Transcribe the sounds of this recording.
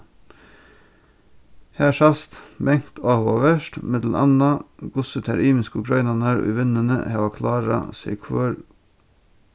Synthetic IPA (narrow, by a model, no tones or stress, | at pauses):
hæːʃɑst̪bɛŋt̪ʰɑːʋoːʋəʃtmɪd̪l̩ʔɑ̰nɑɡ̥ʊsət̪ʰæɾiːmɪskʊɡʰɾɑɪnɑnɑɾɔ̰ːʋɪnənə̰hɑːʋɑkʰlɑːɾɑ̰sḛkʰʋøːɾ